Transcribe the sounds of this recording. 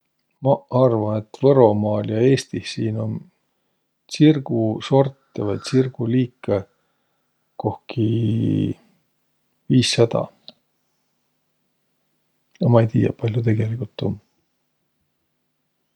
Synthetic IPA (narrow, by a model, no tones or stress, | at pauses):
mɑɑrvɑne̞t̪ːvɤɾo̞mɑːljɑe̞ːst̪ihsiːno̞m | sirɡ̥uso̞rt̪ːˑevɑj̪sirɡ̥uliːkːˑe | ko̞hki | viːsːɑd̪̥ɑ̰ | jɑmɑejt̪iːjɑ̰pɑlʲjut̪e̞ɡ̥e̞likult̪ːˑo̞m